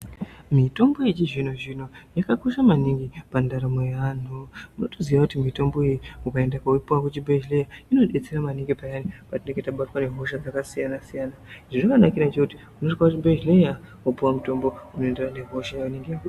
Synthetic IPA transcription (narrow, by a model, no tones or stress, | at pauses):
mito̞mbo̞it͡ʃiʐino̞ʐino̞jakakoʃamaniŋɡipandaɾamo̞jan̤umuno̞toziʋakutimito̞mbo̞ejiukae̞ndakauipuwakut͡ʃibʱed͡ʒlejaino̞ɗe̞t͡seɾamaniŋɡipajanipatineŋɡetaɓatwane̞ɦo̞ʃad͡zakasijanasijanaʐiʐokanakiɾat͡ʃekuti | unotikakut̬ibed͡ʒlejawopuwamuto̞mbo̞uno̞enderane̞ɦo̞ʃajaʋaneŋɡeaku